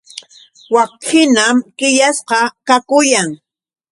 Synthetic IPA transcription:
wakxɪnamkɪʎasqɑkakʊjaŋ

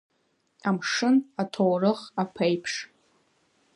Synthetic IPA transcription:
amʂɨnatʰowrɨχapʰejpʰʂ

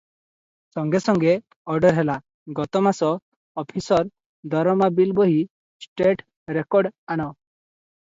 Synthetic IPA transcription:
sɔŋɡesɔŋɡe | ɔɾɖɔɾɦɛla | ɡɔt̪ɔmasɔ | ɔpʰisɔɾ | d̪ʱɔɾɔmabilbɔɦi | sʈeʈ | ɾekɔɾɖanɔ

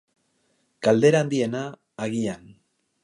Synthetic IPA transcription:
ɡ̥ald̪e̞ɾaːnd̪ie̞naː | ɣian

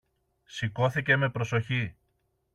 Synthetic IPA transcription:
siko̞θice̞me̞pɾo̞so̞çi

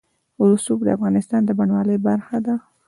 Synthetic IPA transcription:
ʊlsukd̪əafɣɑnɪst̪ɑnd̪əbaɳwɑləjbaɾxad̪a

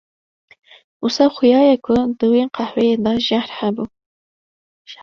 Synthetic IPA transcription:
ʊsɑːxʊjɑːjɛkʰʊd̪ɨweqʰɑhwɛjed̪ɑʒahɾhæbuː

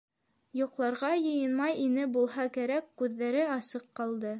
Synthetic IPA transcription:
jŭqlˠɑɾʁɑjɤ̆jɤ̆nmɑjinɘbulˠɦɑkæɾækːʉðːæɾɘɑsɤqːɑlˠd̪ɤ

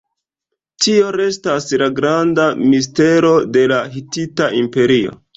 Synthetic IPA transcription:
tio̞ɾe̞staslaɡɾandamis̬te̞ɾo̞de̞laɦititaʔimpe̞ɾio̞̰

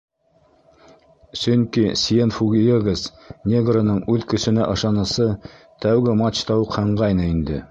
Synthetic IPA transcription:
sɵŋkisjenfuɡʲieɡəs | nʲeɡronɤɴʉðkɵ̆sɵ̆næʔɤ̆ʃɑnɤ̆sɤ | t̪æwɡɘmat͡ɕt̪ɑwɤqhɤ̆ɴʁɑjnɤind̪ɘ̰

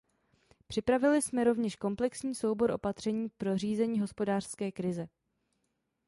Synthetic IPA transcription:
pr̝̥ɪpɾavɪlɪsmɛɾo̞vɲɛʃko̞mplɛksɲiːso̞wbo̞ɾʔo̞̰pat̪r̝̥ɛɲiːpɾo̞r̝iːzɛɲiːɦo̞spo̞daːr̝̥skɛːkɾɪzɛ

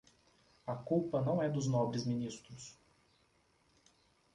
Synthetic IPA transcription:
ɐkuwpɐnɐ̃w̃ɛd̪ʊznɔbɾɪzminist̪ɾʊs

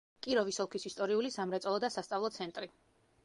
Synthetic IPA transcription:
kʼiɾɔvisɔlˠkʰisist̪ʼɔɾiulisamɾɛt̪sʼɔlˠɔd̪asast̪sʼavlˠɔt̪sʰɛnt̪ʼɾi

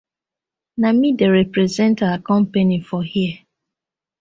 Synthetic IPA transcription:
namideɾɛpɾezɛ̃ntaakɔ̃m̩penifɔhiɛ

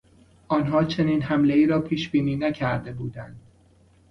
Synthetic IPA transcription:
ʔɒːnɦɒːt͡ʃʰe̞niːnɦæmle̞iːɾɒːpʰiːʃb̥iːniːnæcʰæɾd̪e̞buːd̪ænd̪̥

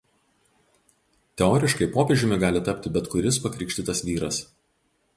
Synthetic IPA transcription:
t̪ʲɛɔːɾʲɪʃkɐɪpoːpʲeːʒʲʊmʲɪɡɑːlʲɪt̪ɐpʲt̪ʲɪbʲɛt̪kʊɾʲɪspɐkɾʲɪˑkʃʲt̪ʲɪt̪ɐsʋʲiːɾɐs

